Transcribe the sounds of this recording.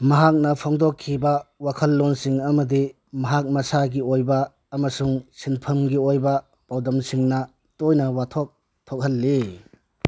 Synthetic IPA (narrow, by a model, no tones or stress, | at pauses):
mɐɦak̚nɐpʰoŋdokʰːibɐwakʰɐlːonsiŋɐmɐdi | mɐɦak̚mɐsaɡiojbɐː | mɐsuŋsinpʰɐmɡiojbɐ | pawdɐmsiŋnɐ | tojnɐwatʰok̚ | tʰok̚hɐlːi